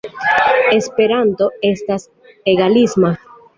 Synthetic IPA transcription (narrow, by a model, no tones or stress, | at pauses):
espeɾant̪oe̞st̪as | eɣalizma